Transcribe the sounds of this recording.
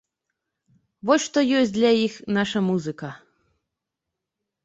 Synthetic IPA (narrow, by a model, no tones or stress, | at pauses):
vɔsʲʂt̪ɔjɔs̚ʲd̪lʲɐjixnaʂɐmuzɨkɐ